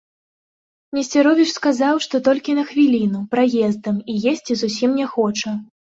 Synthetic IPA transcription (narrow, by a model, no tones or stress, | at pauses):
nʲɛsʲt͡sʲɛɾɔvʲit͡ʂskazawʂt̪ɔt̪ɔlʲkʲinɐxvʲilʲin̪upɾajɛzd̪ɐmijesʲt͡sʲizusʲimnʲɛxɔt͡ʂɐ